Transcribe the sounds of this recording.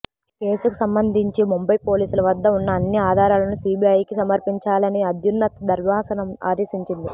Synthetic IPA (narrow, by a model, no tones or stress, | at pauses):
ke̞ːsuku̥sɐmbɐnd̪ʱiɲt͡ʃimumbɐjpo̞ːliːsulɐʋɐd̪ːɐunːɐːnːiaːd̪ʱaːɾaːlɐnusiːbiɐjkisɐmɐɾpiɲt͡ʃaːlɐniɐd̪ʱjunːɐt̪d̪ʱɐɾmaːsɐnɐma̰ːd̪eːsiɲt͡ʃind̪i